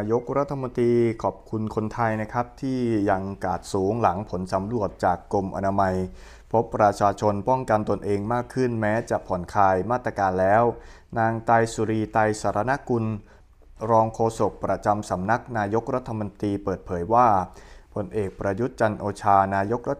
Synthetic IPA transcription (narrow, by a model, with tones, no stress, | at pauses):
jo˦˥k̚ɾa˦˥t̪ʰːa˧mo˧nt̪ɾiː˧kʰɔː˨˩p̚kʰu˧nkʰo˧nt̪ʰa˧jna˦˥kʰa˦˥p̚t̪ʰiː˥˩ja˧ŋkaː˨˩t̪̚suː˩˦ŋla˩˦ŋpʰo˩˦nsa˩˦mɾu˨˩ət̪̚t͡ɕaː˨˩kːo˧mʔa̰˧naː˧ma˧j | pʰo˦˥pːɾa˧t͡ɕʰaː˧t͡ɕʰo˧npɔ˥˩ŋka˧nt̪o˧nʔeː˧ŋmaː˥˩kʰːɯ˥˩nmɛː˦˥t͡ɕa˨˩ʔpʰɔ˩˦nkʰaː˧jmaː˥˩t̪ːɾa˧kaː˧nlɛː˦˥w | naː˧ŋt̪a˧jsu˧ɾiː˧t̪a˧jsaː˩˦ɾa˧˦na˦˥ku˧n | ɾɔː˧ŋkʰoː˧so˨˩k̚pɾa˧t͡ɕa˧msa˩˦mna˦˥k̚naː˧jo˦˥k̚ɾa˦˥t̪ʰːa˧mo˧nt̪ɾiː˧pɤː˨˩t̪̚pʰɤː˩˦jwaː˥˩pʰo˧nʔeː˨˩k̚pɾa˧ju˦˥t̪̚t͡ɕa˧nʔoː˧t͡ɕʰaː˧naː˧jo˦˥k̚ɾa˦˥